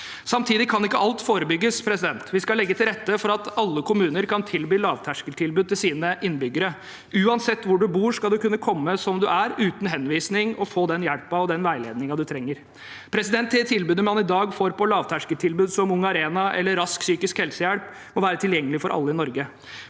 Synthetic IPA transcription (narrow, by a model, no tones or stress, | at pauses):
sɑmt̪ʰiːd̪ɪkʰɑnɪkːəʔɑlt̪foːɾəbʏɡːəspʰɾɛsɪd̪ɛnt̪ʋɪskɑlɛɡːət̪ʰɪlɾɛt̪ːəfɔɾɑt̪ɑlːəkʰʊmʉːnəɾkʰɑnt̪ʰɪlbyːlɑːʋt̪ʰæʂkəʈʰɪlbʉd̪̚t̪ʰːɪlsiːnəʔɪnːbʏɡːəɾə | ʉːɑnsɛt̪ːʋʊɖʉbuːʂkɑld̪ʉkʉnːəkʰɔmːəsɔmd̪ʉʔæɾʉːt̪n̩ɦɛnʋiːsnɪŋɔfoːd̪ɛnjæɽpɑɔd̪ɛnʋæɪlḛːd̪nɪŋɑd̪ʉt̪ʰɾɛŋːəɾ | pʰɾɛsɪd̪ɛnt̪ːdɛt̪ʰɪlbʉːd̪əmɑnɪd̪ɑːɡfoːɾpʰɔlɑːʋt̪ʰæʂkəʈʰɪlbʉːd̪sɔmʊŋːɑɾeːnɑʔɛ̰lːəɾɑsksyːkɪskhɛlsəjæɽp | mɔʋæːɾət̪ʰɪljɛŋːəlɪfɔɾʔɑ̰lːəɪnɔɾɡə